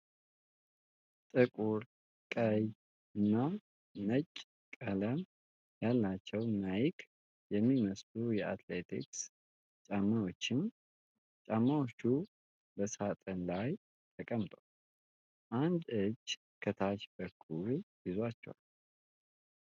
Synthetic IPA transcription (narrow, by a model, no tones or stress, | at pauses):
t̪ʼɨkʼuɾ | kʼəj | ɨnːa | mət͡ʃʼː | kʼələm | jalːat͡ʃːɛwnajɪkʰ | jɛmːiməslujɛat̪let̪ʰḭks | t͡ʃʼamːawo̞t͡ʃːɪn | t͡ʃʼamːawot͡ʃːu | bəsat̪ʼənlaj | t̪ʰəkʼəmt̪ʰʼəw | ʔand̪ɨd͡ʒ | kʰət̪ʰat͡ʃbəkʰːuljɪzwat͡ʃːɛwa̰l